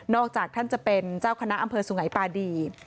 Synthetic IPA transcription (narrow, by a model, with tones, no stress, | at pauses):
nɔː˥˩k̚t͡ɕaː˨˩k̚t̪ʰa˥˩nt͡ɕa˨˩pe˧nt͡ɕaː˥˩wkʰa˧na˦˥ʔa˧mpʰɤː˧su˨˩˦ŋa˩˦jpaː˧diː˧